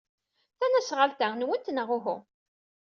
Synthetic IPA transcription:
θænæsʁəlt̪ænwənt̪nəʁʊɦʊ̰

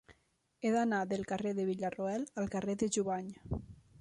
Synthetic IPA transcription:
eðanaðelˠkareðeβiʎaroɛlalˠkareðeʒuβaɲ

